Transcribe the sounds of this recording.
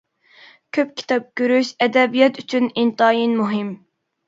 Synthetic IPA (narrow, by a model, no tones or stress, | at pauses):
kʲʰøp̚kʲʰi̥t̪ʰɑp̚ɡʲøɾyʃɛd̪ɛbijɑt̪ʰyt͡ʃʰynint̪ɑːjinmuɦɪm